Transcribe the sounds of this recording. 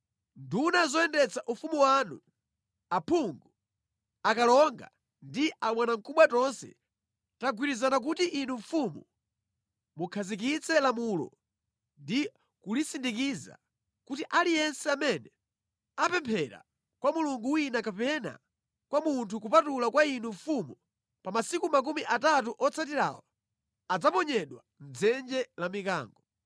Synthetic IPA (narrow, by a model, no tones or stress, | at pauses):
ndunazɔɛndɛt͡saʔufumuwanṵ | apʰuŋɡu | akalɔŋɡa̰ | ndiʔamwanaŋkuɓwatɔnsɛ̰ | taɡwiɾizanak̬utiʔinuɱfumu | mukʰazik̬it͡sʰɛlamulɔ̰ | ndi | kulisindikiza̰ | kutiʔalijɛnsɛamɛnɛ | apɛmpʰɛɾa̰ | kwamuluŋɡuwinakapɛna̰ | kwamuntʰukupatulakwainuɱfumu | pamasikumak̬umiʔatatuʔɔt͡sʰatiɾa̰wɔ | ad͡zapɔɲɛɗwa | n̩d͡zɛnd͡ʒɛlamika̰ːŋɡɔ